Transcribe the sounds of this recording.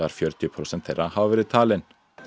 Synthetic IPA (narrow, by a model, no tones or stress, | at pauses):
ɑːɾfjœɾt̪ɪpʰɾʊsɛnt̪ʰḛːɾɑhɑːʋəɾət̪ʰɑlən